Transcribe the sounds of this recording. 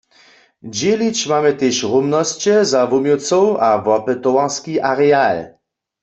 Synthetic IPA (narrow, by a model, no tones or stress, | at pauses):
d͡ʑelit͡ʃmamɛt̪eːʃʁumnɔst͡ɕɛzavumjot͡sɔwavɔpɛt̪ɔwaʁskiʔaʁɛal